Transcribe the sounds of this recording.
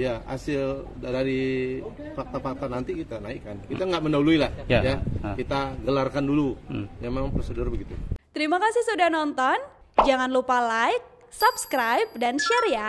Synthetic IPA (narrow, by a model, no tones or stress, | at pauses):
ijaa̰sɪl | daɾi | fak̚t̪afak̚t̪anant̪ikit̪anaikːankit̪aŋɡaʔmənauluilahjjakit̪aɡəlarkandulujamemaŋpɾosədʊrbəɡit̪ut̪əɾimakasisudahnɔnt̪ɔn | d͡ʒaŋanlupalaik̚ | sapskɾajp̚danʃɛɾja